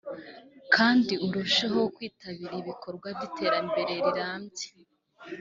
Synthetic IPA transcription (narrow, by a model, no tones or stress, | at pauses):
kʰaːndiuɾuʃeɦo̞kwiːtaβiɾiβikʰo̞ɾɡwabditʰe̞ːɾambe̞ɾe̞ɾiɾaːmɟe̥